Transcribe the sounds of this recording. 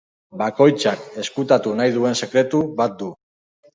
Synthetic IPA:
bako̞jt͡sake̞skut̪at̪unajðue̞nse̞kɾe̞t̪uβat̪̚d̪u

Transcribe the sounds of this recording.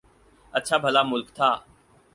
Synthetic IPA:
ət̚ːt͡ʃʰaːbʱəlaːmʊlkt̪ʰaː

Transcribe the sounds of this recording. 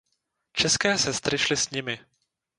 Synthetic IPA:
t͡ʃɛskɛːsɛst̪ɾɪʃlɪsɲɪmɪ

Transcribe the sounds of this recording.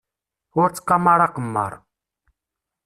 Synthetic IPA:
ɔɾt͡skamaɾaqəmːa̰ɾ

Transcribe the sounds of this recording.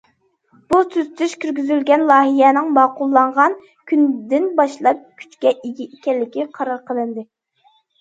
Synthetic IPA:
b̥usyzt̪ʰyʃkʲʰyɾɡʲyzylɡʲɛnlˠɑːɦijɛnɪŋmɑːqʊlˠːɑɴʁɑn | kʲʰynd̪ɪnbɑʃlˠɑp̚kʲʰy̥t͡ʃkʲɛʔeɡʲiikʲɛllːɪkʲiqʰɑɾɑɾqʰəlˠɨnd̪ɨ

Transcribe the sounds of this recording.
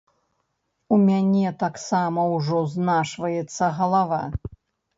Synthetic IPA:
umʲanʲɛt̪aksamɐwʐɔznaʂvɐjɛt̪sːɐɣɐlˠava

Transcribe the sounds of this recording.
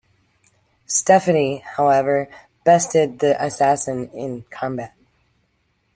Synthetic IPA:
stɛfɨnihaʊɛvə˞ | b̥ɛstɪd̪̚ðiʔɨsæsɨ̃nɪ̃nkʰɑ̃mbæt̚

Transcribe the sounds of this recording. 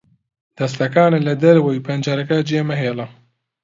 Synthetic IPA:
d̪̥ɐst̪ɐkaːnɨlɐd̪ɐɾwejpʰɐnd͡ʒaːɾɐkad͡ʒeːmɐɦeːlɐ

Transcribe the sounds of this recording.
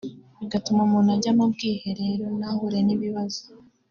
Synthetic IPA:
iɡatumamunaɟamabɡiːhe̞ɾeɾonahuɾeniβiβazo

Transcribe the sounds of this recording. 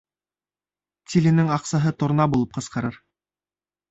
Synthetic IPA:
t̪ʲilɘ̆nɘŋɑqsɑɦɤt̪ŏɾnɑbulˠɤp̚qɤ̆sqɑ̆ɾɤɾ

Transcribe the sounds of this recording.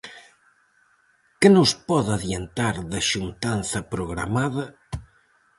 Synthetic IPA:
kɪnʊspɔðaðjent̪aɾðɐʃunt̪anθɐpɾoɣɾa̰maðɐ

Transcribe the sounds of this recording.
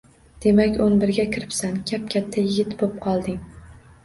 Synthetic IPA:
d̪̥e̞makʲʊnbɪɾɡʲakʲʰɪɾɪpsankʲʰap̚kʲʰat̪ʰːajɪɡʲɪt̪bop̚qʰɒlˠd̪ɪŋ

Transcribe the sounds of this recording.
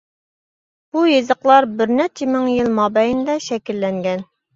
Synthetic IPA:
b̥ujezəqlˠɑɾbɪɾnɛɾt͡ʃʰɪmɪŋjilˠmɑbɛjind̪ɛʃɛkʲilːɛŋɡʲɛn

